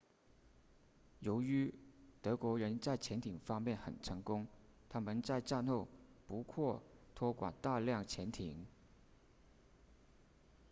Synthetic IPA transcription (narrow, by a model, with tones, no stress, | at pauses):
jo˧˥ʊy˧˥t̪ɤ˧˥kwɔ˧˥ɻə˧˥nt͡sa˥˩ɪt͡ɕʰjɛ˧˥nt̪ʰi˨˩ŋfɑ˥ŋmjɛ˥˩nxə̰˨˩nʈ͡ʂʰɤ˧˥ŋkʊ˥ŋt̪ʰa˥mə˨nt͡sa˥˧ɪʈ͡ʂa˥˧nxo˥˩ʊpu˧˥kʰwɔ˥˩t̪ʰwɔ˥kwa̰˨˩nt̪a˥˧ljɑ˥˩ŋt͡ɕʰjɛ˧˥nt̪ʰi˨˩˦ŋ